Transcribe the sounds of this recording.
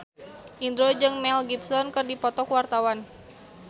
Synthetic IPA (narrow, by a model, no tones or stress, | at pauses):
ʔind̪ɾod͡ʒɨŋmɛlɡipsɔnkɨrdipɔt̪ɔkuwart̪awan